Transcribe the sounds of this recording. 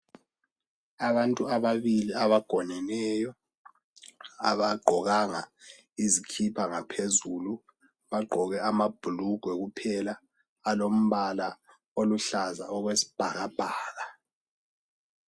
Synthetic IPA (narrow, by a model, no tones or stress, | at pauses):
aβantʼuaβaβiliaβaɡ̥ʱɔnɛnɛjɔ | a̰βaɡ͡ǃʱɔɣaŋa̰ | izikʰipʰaŋapʰezulu | βaɡ͡ǃʱɔɣɛamab̥ʱuluɡ̥ʱwɛɣupʰɛlaː | lom̩βala | oluɬaza̰ɔɣwesi̥b̥ʱaɣab̥ʱaːla